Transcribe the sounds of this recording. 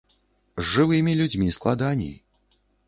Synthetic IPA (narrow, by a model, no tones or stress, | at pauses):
zʐɨvɨmʲilʲud͡zʲmʲisklˠad̪anʲḭj